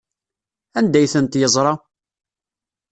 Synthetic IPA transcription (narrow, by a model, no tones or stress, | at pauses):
ænd̪æjθənt̪jəzˤɾˤɑ